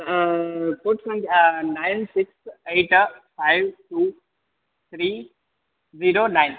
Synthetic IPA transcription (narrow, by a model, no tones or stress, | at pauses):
koːʈsãŋɡanaɪnsɪkseːʈfaɪʋʈuː | t̪ʰɾiː | ziːɾonaɪn